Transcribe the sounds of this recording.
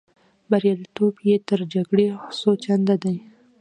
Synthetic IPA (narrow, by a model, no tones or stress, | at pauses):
baɾjalit̪objet̪əɾd͡ʒaɡɽesot͡ʃand̪ad̪aj